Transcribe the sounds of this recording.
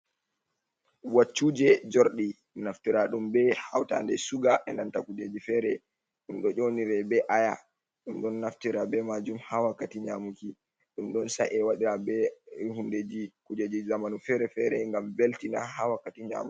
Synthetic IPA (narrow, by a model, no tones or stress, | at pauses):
wat͡ʃːud͡ʒɛd͡ʒoɾɗi | naftiɾaɗumbɛhawta̰ndɛsuɡaʔɛnantakud͡ʒed͡ʒifɛɾɛ | ɗumɗɔd͡ʒoniɾɛbɛʔaja | ɗumɗɔnːaftiɾabɛmad͡ʒumhawakːatiɲamuki | ɗumɗɔnsa̰ʔɛwaɗiɾabɛhunded͡ʒikud͡ʒed͡ʒizamanufɛɾɛfɛɾɛŋɡamveltina̰ɦawakːatiɲa̰mu